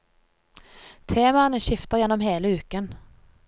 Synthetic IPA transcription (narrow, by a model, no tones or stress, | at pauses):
t̪ʰeːmaənəʃɪft̪əʁjɛnːɔmɦeːləʉːkən